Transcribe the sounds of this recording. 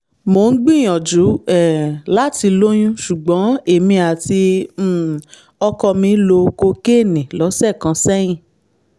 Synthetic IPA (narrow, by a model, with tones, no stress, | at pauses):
mo˨˦n̩˦ɡ͡bĩ˦˨j̃ɔ̃˨d͡ʒu˨˦ɛ˦˨la˦ti˧lo˦j̃ũ˦ʃu˨ɡ͡bɔ̃˨˦e˨mĩ˧a˨tĩ˧˦˨ | ɔ˧kɔ˧mĩ˧lo˧ko˧ke˦˨nĩ˨lɔ˨˦sɛ˦˨kã˨˧sɛ˦j̃ĩ˦˨